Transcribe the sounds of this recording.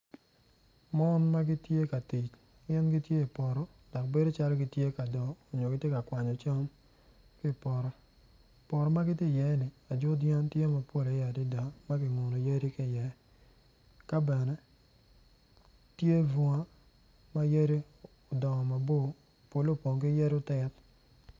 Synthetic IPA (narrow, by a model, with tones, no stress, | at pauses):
mɔ˦nma˦ɡi˦tje˦ka˨ti˨t͡ʃ | ɡɛ˦nɡi˦tje˦i˨pɔ˨ɾɔ˦ | d̥ɔ˨k̚be˦do˦t͡ʃa˦lɔ˦ɡi˨tje˦ka˨dɔː˨ɲo˨ɡɪ˨tje˦ka˨kwa˨ɲɔ˨t͡ʃa˦m | kɪ˦˨pɔ˨ɾɔ˦ | pɔ˨ɾɔ˦ma˦ɡɪ˦tje˦˨jɛ˨˦nɪ˨ | a˨d͡ʒʊ˦djɛ˦ntje˦ma˨po˦˨la˨˦ja˨di˦da˨ma˦ɡɪ˨ŋo˨nɔ˨je˦ɾi˦kɪ˦˨jɛ˨ | ka˦bɛ˨nɛ˦ | tje˦vu˨ŋa˦ | ma˦je˦ɾi˦ | o˨dɔ˨ŋɔ˨ma˨bo˦˨ | po˨lo˦˨po˨ŋkɪ˦jɛ˦ɾo˦tɛ˦t